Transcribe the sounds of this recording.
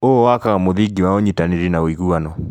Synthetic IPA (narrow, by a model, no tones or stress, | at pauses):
owakaɣamoðiɡiwaoɲitaniɾinaoiɣuanɔ